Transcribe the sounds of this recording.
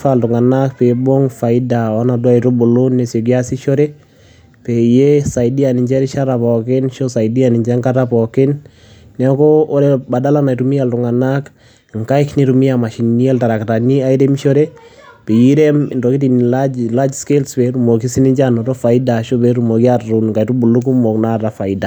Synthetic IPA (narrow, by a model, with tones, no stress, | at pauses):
faltu˨ŋa˨nakpɛ˨bo˦ŋfa˨i˦da˨a˦na˨dwa˦i˨ɾo˦bo˨lo˦nːe˨sɔ˨ɡi˦a˦si˦ʃɔ˦ɾɛ˦ | pɛ˨jesa˨idi˦a˨ni˨ɲd͡ʒɛ˦ɾi˦ʃa˦ɾa˨pɔ˨kɪ˦nʃo˦sa˨idi˦ani˨ɲd͡ʒɛ˦ŋka˦ta˦pɔkɪ˦n | nɛ˨ɔ˦kɔː˦ɾɛba˨da˦la˦na˨iɾu˨mi˦ja˨ltu˨ŋa˨nak | ŋka˦jkni˦ɾumi˦ama˨ʃi˨nni˦ɛ˦lta˨ɾa˨kta˨ni˦a˦iɾe˦mʃɔ˦ɾɛ˦ | pe˨ji˦ɾɛ˦mɪ˨ndo˨ki˦ti˨nlala˦d͡ʒske˦lspɛ˨ɾu˨mo˨ki˦si˦ni˦ɲd͡ʒa˦nɔ˨to˦fa˨i˦daʃo˦bɛ˦ɾu˨mo˨ki˦aunka˨i˨ɾu˦bu˨lu˦k̬u˦mo˨kna˦˨ta˨fa˨ida˨